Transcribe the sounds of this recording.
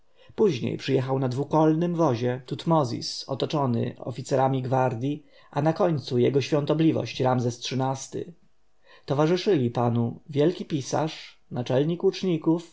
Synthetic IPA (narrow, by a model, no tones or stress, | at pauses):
puʑɲḛjpʂɘjɛxawnad̪vukɔlnɘmvɔʑɛt̪ut̪mɔzʲḭsɔ̰t̪ɔt͡ʂɔnɘ̰ɔ̰fʲit̪sɛɾamʲiɡvaɾd̪ʲji | anakɔɲt̪sujɛɡɔɕfʲjɔ̃nt̪ɔblʲivɔ̰ɕt͡ɕɾamzɛstʂɘnast̪ɘ̰ | t̪ɔvaʐɘʂɘlʲipanuvʲjɛlkʲipʲisa̰ʂ | nat͡ʂɛlɲikut͡ʂɲikuf